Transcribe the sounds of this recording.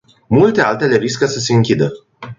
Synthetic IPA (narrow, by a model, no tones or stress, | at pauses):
mult̪e̞alt̪e̞le̞ɾiskəsəse̞ɨŋkʲid̪ə